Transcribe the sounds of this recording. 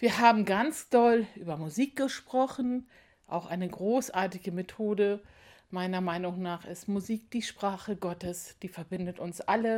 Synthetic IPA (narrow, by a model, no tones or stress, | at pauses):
viːɐɦaːbm̩ɡant͡sd̥ɔlʔyːbɐmuziːk̚ɡ̥əʃpʁ̥ɔχn̩ | ʔa̰ʊxʔaɪnəɡʁoːsʔaːɐtɪɡəmetʰoːdə | maɪnɐmaɪnʊŋnaːχɪstmuziːk̚d̥iːʃpʁ̥aːχəɡɔtəsd̥iːfɛɐbɪndətʊnsʔalə